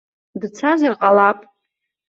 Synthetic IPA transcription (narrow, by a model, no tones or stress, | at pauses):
dt͡sʰazarqʼalapʼ